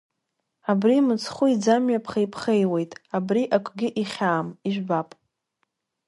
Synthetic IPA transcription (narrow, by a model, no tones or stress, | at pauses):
abrimɨt͡sʰχʷʊid͡zamɥapʰχejpʰχejwe̞jtʼabriʔakʷʰʼɡʲɪʔiχʲaːmiʒʷᶣbapʼ